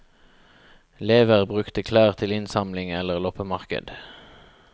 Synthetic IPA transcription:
leːʋəʁbʁʉkt̪əkʰlæːʁt̪ʰɪlɪnsɑmlɪŋɛləʁlɔpəmɑʁkə̰d̪̥

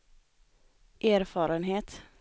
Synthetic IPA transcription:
ʔæːɾfɑːɾənɦeːt̪

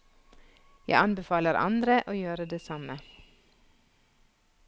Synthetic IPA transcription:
jæ̰ɪʔɑnbɛfɑːləɾʔɑ̰nd̪ɾəʔoːjøːɾəd̪eːsɑmə

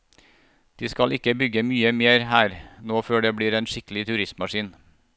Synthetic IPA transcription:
d̪̥iːskɑlʔɪkəbʏɡəmyːəmeːɾhæːɾnoːføːɖeːbɽiːɾeːnʃɪkəl̩ɪt̪ʰʉɾɪst̪mɑʃiːn

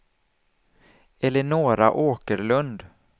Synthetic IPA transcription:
ɛlːəɳoːɾa̰ʔoːkəɾɭɵnd̪

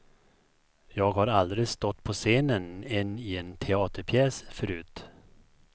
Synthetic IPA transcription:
jɑːɡhaɾald̪ɾɪɡst̪ɔt̪ːpʰɔseːnənɛnːɪɛnt̪ʰɛɑːt̪əɾpʰjɛːsfœɾʉ̟ːt̪

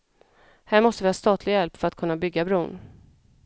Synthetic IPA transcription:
hæːɾmɔst̪əvɪhɑːst̪ɑːt̪ʰlɪɡjɛlpfœɾat̪̚kʰɵnːabʏɡːabɾuːn

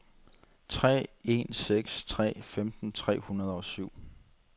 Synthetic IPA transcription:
t͡sʰʁɛ̰ːe̝̰nseɡ̥st͡sʰʁɛ̰ːfemd̥n̩t͡sʰʁɛ̰ːhunɐð̞ˠɒsyʊ̰

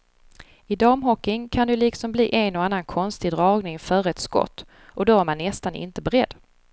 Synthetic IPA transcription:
ɪd̪ɑːmɦɔkːɪŋkʰand̪ɛliːksɔmbliːʔɛnɔanːankʰɔnst̪ɪd̪ɾɑːɡnɪŋfœɾɛt̪skɔ̰t̪ː | ʔɔd̪ɔæɾmanːɛst̪anɪ̰nt̪əbɛɾɛd̪ː

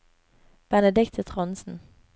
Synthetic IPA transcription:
b̥ɛnəd̪ɪkt̪ʰət̪ʰʁɔnsn̩

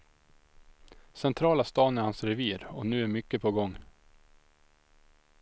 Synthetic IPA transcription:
sɛnt̪ʰɾɑːlast̪ɑːnæɾhansɾɛviːɾɔ̰nʉ̟ːæɾmʏkːəpʰɔɡɔŋː

